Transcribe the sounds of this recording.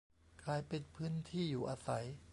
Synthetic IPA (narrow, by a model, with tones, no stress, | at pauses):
kʰlaː˧jpe˧npʰɯː˦˥nt̪ʰiː˥˩juː˨˩ʔaː˧sa˩˦j